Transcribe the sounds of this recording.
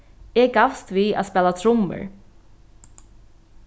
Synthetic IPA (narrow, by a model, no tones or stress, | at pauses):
ɛkafst̪via̰ðspɛːlat̪ʰɾʊmːɪ̰ɹ